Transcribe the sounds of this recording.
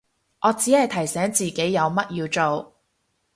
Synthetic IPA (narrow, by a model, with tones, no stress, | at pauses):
ʔɔː˨˧t͡siː˨˥hɐ˨jt̪ʰɐ˨˩jsɛː˨˥ŋt͡siː˨ke˨˥jːɐ˨˧wmɐ˥t̚jiː˧wt͡so˨w